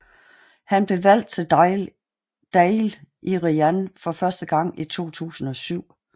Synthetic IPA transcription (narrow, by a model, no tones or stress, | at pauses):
hænb̥le̝ʋæl̰d̥̚t͡sʰe̝ | d̥ɛɪlʔiʁiænfɒ̽fɶɐsd̥əɡ̥ɑ̈ŋ̰it͡sʰo̝̰ːt͡sʰṵːsn̩ɒ̽syʊ̰